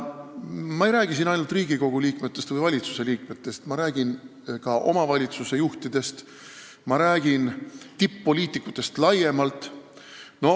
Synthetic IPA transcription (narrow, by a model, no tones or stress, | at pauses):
mɑejɾæːɡ̥isinɑjnult̪riːɡiko̞ɡ̥uliːkme̞t̪ˑːe̞st̪vɨjvɑlʲit̪su̥se̞liːkme̞t̪ːe̞st̪mɑɾæːɡ̥in | kɑʔo̞̰mɑvɑlʲit̪suse̞juht̪id̪̥e̞st̪ | mɑɾæːɡ̥int̪ipːo̞lʲiːt̪ˑikːˑut̪ːˑe̞st̪lɑje̞mɑlt̪ːˑ | no̞